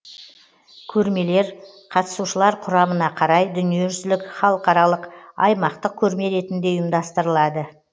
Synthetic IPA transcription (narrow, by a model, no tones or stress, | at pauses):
kʲʰɵɾme̞le̞ɾ | qʰɑt̪ə̥suʃəlˠɑɾqʰʊɾɑmənɑqʰɑɾɑjd̪ʏnije̞ʒʏzlɪkχɑlˠəqɑɾɑlˠəqɑjmɑqt̪əq̚kʲʰɵɾme̞ɾe̞t̪ɪnd̪e̞ʊjəmd̪ɑst̪əɾəlˠɑd̪ə